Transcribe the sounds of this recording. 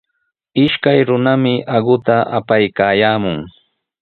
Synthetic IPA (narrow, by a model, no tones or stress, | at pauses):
ɪʃkajɾʊnamɪʔaɢʊt̪aʔapajkaːjaːmʊŋ